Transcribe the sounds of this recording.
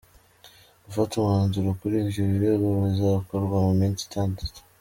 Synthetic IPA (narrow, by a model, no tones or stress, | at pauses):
ufatumaːnzuɾakuɾibjoβiɾeɡoβizaβakoɾɡwamumiːnsi̥tʰaːndato̥